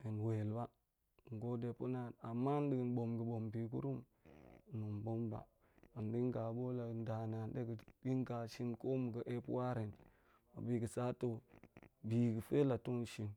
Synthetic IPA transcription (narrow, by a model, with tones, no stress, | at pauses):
e˨nwe˨lba˦ | ŋ̩˨ɡo˦de˨pu˦na˨a˨mːa˦n˦di˨ɡi˨nbo˨mɡə˨bo˨mbi˨ɡṵ˦ɾu˦m˨ | nu˨mbo˦mba̰˨ | a˨ndi˦ŋ˦ɡa˨bo˦la˨n˦da˨na˨n˦de˦ɡi˨di˦ŋɡa˨ʃi˦nko˦mu˨ɡə˨ʔe˦pwa˦ɾe˨n | a̰˨bi˨ɡə˨sa˦to˦ | bi˨ɡə˨fe˦la˨tu˦nʃi˨n